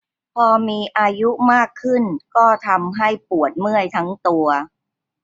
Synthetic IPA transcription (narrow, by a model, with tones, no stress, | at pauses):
pʰɔː˧miː˧ʔaː˧ju˦˥maː˥˩kʰːɯ˥˩nkɔː˥˩t̪ʰa˧mɦa˥˩jpu˨˩ət̪̚mɯ˥˩əjt̪ʰa˦˥ŋt̪u˧ɐ